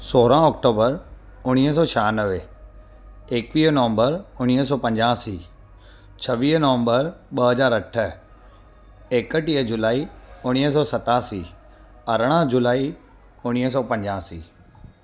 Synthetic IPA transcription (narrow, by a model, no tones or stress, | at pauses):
soːɾãɔːk̚ʈoːbəɾ | ʊɽ̃iːɦəs̬ɔːt͡ɕʰaːnəʋe | eːkʋiːɦnɐʋə̃mbəɾʊɽ̃iːɦəs̬ɔːpɐ̃ɲd͡ʑaːsiː | t͡ɕʰɐʋiːɦnɐʋə̃mbəɾɓɐɦɐzaːɾɐʈʰə | eːkəʈiəd͡ʑʊlaːiʊɽ̃iːɦəs̬ɔːsɐt̪aːsiː | ɐɾəɽ̃ə̃d͡ʑʊlaːi | ʊɽ̃iːɦəs̬ɔːpɐ̃ɲd͡ʑaːsḭː